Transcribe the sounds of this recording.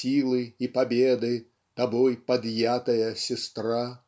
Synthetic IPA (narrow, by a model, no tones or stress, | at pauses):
sʲilˠɨipabʲɛd̪ɨ | t̪abɔjpɐd̪jat̪ɐjɐsʲɛst̪ɾa